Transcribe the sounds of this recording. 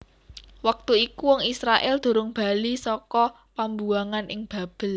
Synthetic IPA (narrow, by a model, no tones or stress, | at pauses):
wak̚t̪uikuwɔŋisɾaʔɛld̪̥o̤ɾʊŋb̥a̤lisɔkɔ | pambuaŋanʔɪŋb̥a̤b̥ə̤l